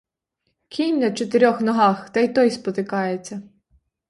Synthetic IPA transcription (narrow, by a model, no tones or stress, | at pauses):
kʲʰinʲnɐt͡ʃɔt̪eɾʲɔxnɔɦɑxt̪ɐjt̪ɔjspɔt̪ɪkɑjet͡sʲːɐ